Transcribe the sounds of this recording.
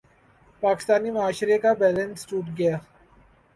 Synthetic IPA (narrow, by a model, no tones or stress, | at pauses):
paːkɪ̥st̪aːnimʊaːʃɾekabɛːlə̃nsʈuːʈɡɐjaː